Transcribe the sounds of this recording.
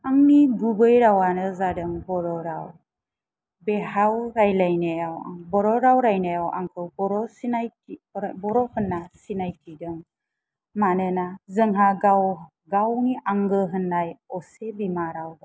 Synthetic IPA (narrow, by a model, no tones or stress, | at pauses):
aŋniɡubəjɾawanəzadəŋbɔɾoɾaw | behawɾajlajneawa̰ŋbɔɾoɾawɾajneawa̰ŋkəwbɔɾosinajibɔɾohənːasinajtʰidəŋ | manənazəŋɦaɡaw | ɡawŋiʔaŋɡəɦənːajɔsebimaɾawda